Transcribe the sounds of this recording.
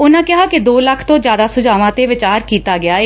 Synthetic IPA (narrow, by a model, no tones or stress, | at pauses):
ʊnãːkɪɦaːkɪd̪oːləkʰt̪õːd͡ʒjaːd̪aːsʊd͡ʒaːʋãːt̪eːʋɪt͡ʃaːɾkiːt̪aːɡɪaːeː